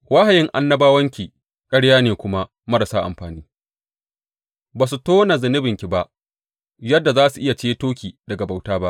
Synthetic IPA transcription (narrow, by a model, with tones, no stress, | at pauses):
wa˦ha˨jɪ˦ŋʔa˦nːɐ˦baː˦wɐ˦ŋkʲi˨ | kʼɐ˦ɽjaː˦neː˨kʷʊ˦ma˦ | mɐ˦ɾɐ˨saː˦ʔa̰˨mɸaː˨niː˦ | baː˨s̬u˨toː˦na˨zɪ˨nɪ˦bɪ˨ŋkʲi˨ba˦ʔ | jɐ˦dːa˨zaː˦su˨ʔɪ˦ja˨t͡ʃeː˦toː˦kʲiː˨dɐ˨ɡa˨ba˨wtaː˦ba˦ʔ